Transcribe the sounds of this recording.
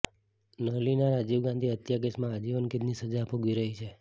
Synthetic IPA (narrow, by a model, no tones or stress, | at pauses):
nəlinaɾad͡ʒiʋɡãnd̪ʱiət̪jaɡesmãːd͡ʒiʋənked̪nisəd͡ʒaːpoɡʋiɾəɦit͡ʃʰe